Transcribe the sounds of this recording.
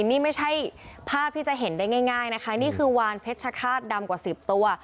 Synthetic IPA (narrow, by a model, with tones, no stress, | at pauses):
niː˥˩ma˥˩jt͡ɕʰa˥˩jpʰaː˥˩p̚t̪ʰiː˥˩t͡ɕa˨˩ɦe˩˦ndaː˥˩jŋaː˥˩jŋaː˥˩jna˦˥kʰa˦˥niː˥˩kʰɯː˧waː˧npʰe˦˥t̪̚t͡ɕʰa˧kʰaː˥˩t̪̚da˧mkwaː˨˩si˨˩p̚t̪u˧ɐ